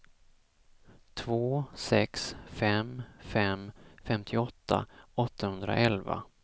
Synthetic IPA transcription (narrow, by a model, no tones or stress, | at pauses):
t̪ʰvoːsɛksfɛmfɛmfɛmt̪ʰɪɔt̪ʰːa̰ɔt̪ːahɵnd̪ɾa̰ʔɛlva̰